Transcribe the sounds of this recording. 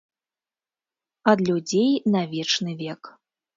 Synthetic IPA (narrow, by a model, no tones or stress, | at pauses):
ɐd̪lʲud͡zʲejnɐvʲɛt͡ʂnɨvʲɛk